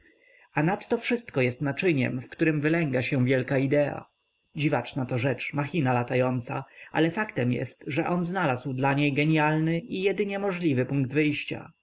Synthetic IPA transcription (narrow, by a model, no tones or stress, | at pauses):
anat̪ːɔfʂɘst̪kɔjɛst̪nat͡ʂɘɲɛ̰mfkt̪uɾɘmvɘlɛŋɡaɕɛ̃vʲjɛlkaid̪ɛa̰ | d͡ʑivat͡ʂnat̪ɔʐɛt͡ʂmaxʲinalat̪ajɔnt̪saʔa̰lɛfakt̪ɛmjɛ̰st̪ʐɛʔɔnznalazwd̪laɲejɡɛɲjalnɘʔijɛd̪ɘɲɛmɔʐlʲivɘpuŋɡd̪vɘjɕt͡ɕa̰